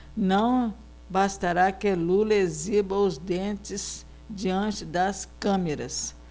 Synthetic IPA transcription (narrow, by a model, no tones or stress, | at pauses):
nɐ̃w̃ | bast̪aɾakɪlulɐezibɐʊzd̪ẽnt͡ʃɪz | d͡ʒiɐ̃t͡ʃɪd̪ɐskɐ̃meɾɐ̰s